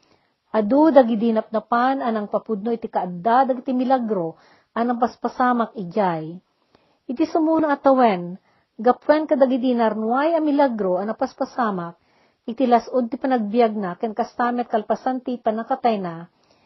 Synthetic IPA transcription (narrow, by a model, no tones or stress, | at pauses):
ʔɐd̪ud̪ɐɡɪd̪inɐp̚nɐpanɐnɐŋpɐpud̪̚noʔɪt̪ikɐʔad̪ad̪ɐɡt̪imɪlaɡɾo | ʔɐnɐŋp̬ɐspɐsaːmɐk̚ɪd͡ʒaj | ʔɪt̪isʊmuːnɐɐt̪ɐwɛn | ɡɐpwɛnkɐd̪ɐɡɪd̪inɐɾnwajɐmɪlaɡɾoɐnɐpɐspɐsaːmɐk̚ | ʔɪt̪ilɐsʔod̪̚t̪ɪpɐnɐɡ̚bjaɡ̚nakɛnkɐst̪aːmɛt̪̚kɐlpɐsant̪ipɐnɐkɐt̪ajna